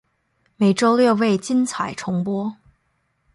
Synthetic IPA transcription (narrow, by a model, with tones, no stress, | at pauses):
me˨˩ɪʈ͡ʂo˥ʊljo˥˧ʊwe˥˩ɪt͡ɕi˥nt͡sʰa˨˩ɪʈ͡ʂʰʊ˧˥ŋpwɔ˥